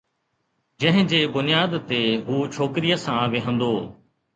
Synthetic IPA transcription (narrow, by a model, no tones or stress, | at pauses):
d͡ʑɐ̃ɦɪ̃d͡ʑeːbʊnɪjaːd̪t̪eɦuːt͡ʃʰoːkɾijəsãːʋɪɦə̃nd̪oː